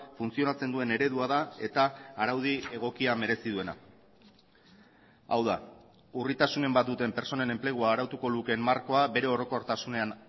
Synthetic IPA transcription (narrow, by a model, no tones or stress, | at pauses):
funt͡sio̞nat͡se̞nd̪ue̞ne̞ɾe̞ðuað̞ae̞̰t̪aːɾawð̞ie̞ɣ̞o̞kiame̞ɾe̞siðue̞na̰ | a̰wð̞a | urit̪asune̞mbat̪̚d̪ut̪e̞mpe̞ɾt͡so̞ne̞ne̞mple̞ɣ̞uaːɾawt̪uko̞luke̞mːaɾko̞abe̞ɾe̞o̞ɾo̞ko̞ɾt̪asune̞an